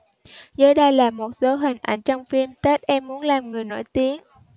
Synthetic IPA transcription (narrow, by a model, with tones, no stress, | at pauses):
zəː˨˦jɗə˧jlaː˨˩mo˨˩t̚zo˨˦ɦï˨˩ŋ̟ʔa̰˧˩jŋ̟t͡ɕɔ˧wŋ͡mfi˧mt̪e˦˥t̚ʔɛ˧mːu˨˦ənlaː˨˩mŋɨ˨˩əjno̰˧˩jt̪i˨˦ən